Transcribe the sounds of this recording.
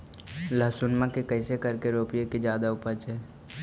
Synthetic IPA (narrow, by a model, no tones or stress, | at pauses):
ləsʊnmãkekəɪsekɐɾkeɾoːpijekid͡ʒjaːd̪aʊpət͡ʃɦɛː